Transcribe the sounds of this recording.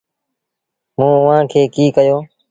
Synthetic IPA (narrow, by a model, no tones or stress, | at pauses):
mũːʊʋ̤ãːkʰeːkiːkəjoː